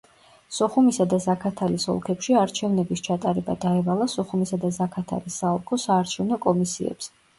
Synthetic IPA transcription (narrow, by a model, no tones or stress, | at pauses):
sɔχumisad̪azakʰat̪ʰalisɔ̰lˠkʰɛpʃiaɾt͡ʃʰɛvnɛbist͡ʃʰat̪ʼaɾɛba̰d̪aɛvalˠasɔχumisad̪azakʰat̪ʰa̰lisːaɔlˠkʰɔsaːɾt͡ʃʰɛvnɔkʼɔmisḭɛ̰psɛ